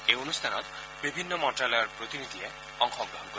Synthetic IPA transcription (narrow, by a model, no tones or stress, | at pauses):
eonust̪ʰanɔt̪ | bibʱinːɔmɔʈalɔɾpɾot̪inid̪ʱie | ɔŋxʰɔɡɾɔɦɔnkoɾ